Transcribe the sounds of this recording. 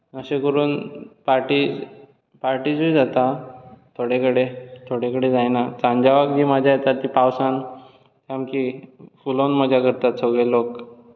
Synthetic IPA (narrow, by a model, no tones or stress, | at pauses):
əsekəɾuːnpaɾʈid͡z | paɾʈid͡zujd͡zat̪at̪ʰoɽekəɽet̪ʰoɽekəɽed͡zajnat͡sãɲd͡ʑaʋakd͡ʑiːmad͡ʑʱajet̪at̪ːipawsan | t̪jamkifulonməd͡ʑʱakəɾt̪at̪səɡɭelok